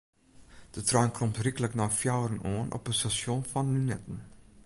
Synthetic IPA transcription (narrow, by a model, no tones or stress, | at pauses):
d̥ətraːnkrɔmtrikələknɔfjawrənoːənʔɔ̰pənstasjɔnfɔnlynɛtən̩